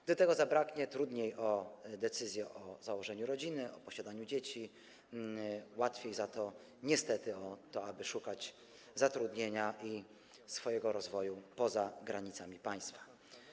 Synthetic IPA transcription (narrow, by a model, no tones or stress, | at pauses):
ɡd̪ɔt̪ɛɡɔzabɾakɲɛt̪ɾud̪ɲejʔɔd̪ɛt̪sɘzʲjɛʔɔzawɔʐɛɲuɾɔd͡ʑinɘʔɔpɔɕad̪aɲud͡ʑet͡ɕi | wat̪fʲjejzat̪ɔ | ɲɛst̪ɛt̪ɘɔt̪ɔabɘʂukad͡ʑ | zat̪ɾud̪ɲeɲaʔi | sfɔjɛɡɔɾɔzvɔjupɔzaɡɾaɲit̪samʲipaj̃st̪fḁ